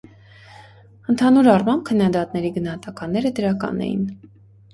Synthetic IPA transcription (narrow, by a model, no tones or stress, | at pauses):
ənt̪ʰɑnuɾɑrmɑmb̚kʰənːɑd̪ɑt̪nɛɾiɡənɑɦɑt̪ɑkɑnːɛɾəd̪əɾɑkɑ̰nɛ̰jḭn